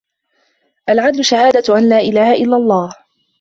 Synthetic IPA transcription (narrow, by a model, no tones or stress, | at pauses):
ʔalʕad̪lʊʃahaːd̪aʔanlaːʔɪlaːhaʔɪlːalˤːɑːh